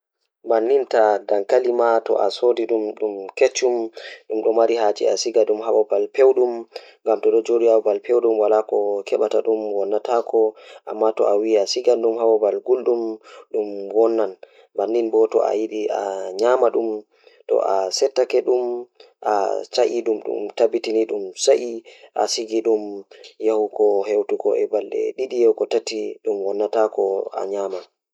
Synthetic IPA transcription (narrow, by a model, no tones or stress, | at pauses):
banːintadaŋkalimatɔ̰ʔasodiɗumɗumket͡ʃːumɗumɗɔmaɾiɦad͡ʒḭa̰siɡaɗumhawɔbalpewɗum | ŋɡamtɔɗɔd͡ʒodiawɔbalpewɗumwalakɔkʰɛɓataɗumwɔnːatakʰɔʔamːatɔ̰ʔawiasiɡanɗumɦawɔbalɡulɗumɗumwɔnːan | banːinbɔtɔ̰a̰jiɗia̰ɲamaɗum | tɔ̰ʔasɛtːakɛɗum | ʔa̰t͡ʃaʔiɗumɗṵmtabitiniɗumsaʔiʔa̰siɡiɗumjahukɔɦewtukɔ̰ʔɛbalɗɛ̰ɗiɗijaukɔtatiɗumwɔnːatakɔa̰ɲaːma